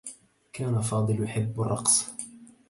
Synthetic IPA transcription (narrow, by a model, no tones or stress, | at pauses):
kaːnafɑːd̪ˤɨljʊħɪbːarˤːɑ̰qs